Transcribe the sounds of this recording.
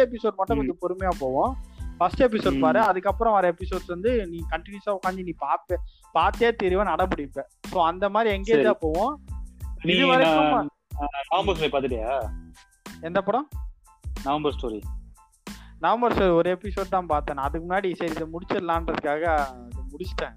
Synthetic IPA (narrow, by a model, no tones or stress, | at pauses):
ɛpːɪsoːɖmɐʈːɐ̃kɔd͡ʒɯpɔɾɯmɐjaːpoːʋõfɐsʈɛp̬ɪsoːɖpaːɾɯ̃ɐðɯkːɐpːɾɔ̃ɔɾɐɛpɪsoːɽsʋɐnd̪ɯnĩːkɐɳʈːɪnjusaːʊkːaːnd̪ɯnĩːpaːpe | paːɾt̪ːeːt̪ɪɾɯʋɐ̃nɐɽɐmbʊɽɪɯpːẽːsoːɐnd̪ɐmaːd̪ɾiɛŋɡeːaːpoːʋõ | nɪɾɯʋaːɾɐkːɐma | nɐʋɐmbɐɾsoːɾipaːɾt̪ɪʈɐjaː | ɛnd̪ɐpːɐɽɔ̃ | nɐʋɐmbɐɾsʈoːɾḭ | nɐʋɐmbɐɾsoːɾiɔɾeɛpɪsoːɖ̚t̪ãːpaːɾt̪anɐðɯkːmʊnːaːɽisɐɾɪðɐmʊɽɪt͡ʃːɐɪlːãːndɾɐðɯkːaːɣɐːðɯmʊɽɪt͡ʃːʈːẽː